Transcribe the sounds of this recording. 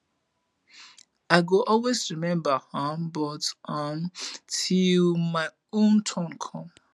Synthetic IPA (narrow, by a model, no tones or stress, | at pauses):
aɪɡoʔɔlwesɹimɛ̃mbahãmbɔtʔãmtʰilmaɪ | õntʰɔ̃nkʰɔ̃m